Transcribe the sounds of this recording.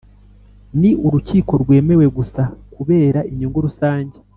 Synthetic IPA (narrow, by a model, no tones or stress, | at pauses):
niʔuɾuciːko̞ɾɡwe̞ːme̞we̞ɡusakuβe̞ːɾaiɲuŋɡoɾusaːɲɟe